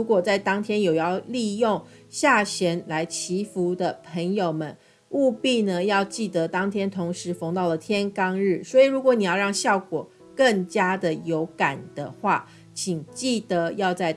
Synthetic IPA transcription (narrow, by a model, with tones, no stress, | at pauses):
ɻu˧˥kwɔ˨˩t͡sa˥˩ɪt̪ɑ˥ŋt̪ʰjɛ˥njo˨˩ʊjɑ˥˧ʊli˥˧jʊ˥˩ŋɕja˥˩ɕjɛ˧˥nla˧˥ɪt͡ɕʰi˧˥fu˧˥d̪ə˨pʰə˧˥ŋjo˨˩ʊmə˦n | u˥˧pi˥˩nə˨jɑ˥˧ʊt͡ɕi˥˩t̪ə˧˦t̪ɑ˥ŋt̪ʰjɛ˥nt̪ʰʊ˧˥ŋʂɻ̩˧˥fɤ˧˥ŋt̪ɑ˥˩ʊlə˨˩t̪ʰjɛ˥nkɑ˥ŋɻ̩˥˩swɔ˧˥i˨˩ɻu˧˥kwɔ˧˦ni˨˩jɑ˥˧ʊɻɑ˥˧ŋɕjɑ˥˩ʊkwɔ˨˩ | kə˥˩ŋt͡ɕja˥d̪ə˨jo˧˥ʊka˨˩nd̪̥ə˦xwa˥˩ | t͡ɕʰi˨˩ŋt͡ɕi˥˩t̪ə˧˦jɑ˥˧ʊt͡sa˥˩ɪ